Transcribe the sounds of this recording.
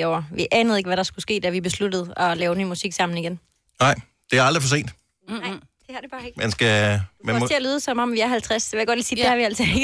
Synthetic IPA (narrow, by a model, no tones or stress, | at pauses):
ɒʊ̰ɐʋiʔɛːnəð̩ˠe̝ɡ̥ʋæɾɑ̈sɡ̥usɡ̥e̝̰ːd̥æʋib̥e̝slud̥əð̞̩ˠɒlɛːʊnyːmusiɡ̥sɑ̈m̰n̩iɡ̥en | nɑ̈ɪ̰ | d̥e̝æɑld̥ʁifɒse̝̰ːnd̥ | d̥ehɑd̥eb̥ɑ̈ːeɡ̥mænsɡ̥æmæt͡sʰe̝ælyːð̞ˠəsɒ̽mɒmʋiæɐɦælt͡sʰʁasd̥eʋejaɡ̥ɒ̽d̥liːsiːd̥ehɑ̈ʋiæl̰sɒeɡ̥